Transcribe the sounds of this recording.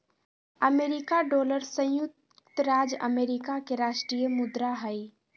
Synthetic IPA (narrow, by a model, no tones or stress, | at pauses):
əmeːɾikaɖoːləɾsə̃j̃jʊk̚ | t̪əɾaːd͡ʒə̰meːɾikakeɾaːʃʈɾijəmʊd̪ɾaɦəi